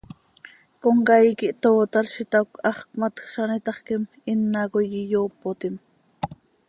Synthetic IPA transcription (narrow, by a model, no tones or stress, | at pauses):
koŋkɑjkɪʔt̪oːt̪ɑɾʃɪt̪akɑχkmat̪xʃanɪt̪ɑχkɪm | ɪnːakojɪjoːpot̪ɪm